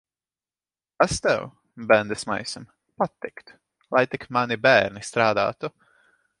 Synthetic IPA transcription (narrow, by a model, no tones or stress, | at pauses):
ast̪ɛ̰w | bɛnd̪ɛsma̰jsam | pat̪ːikt̪ | lˠajt̪ikmanibæːɾnist̪ɾaːd̪a̰ːt̪u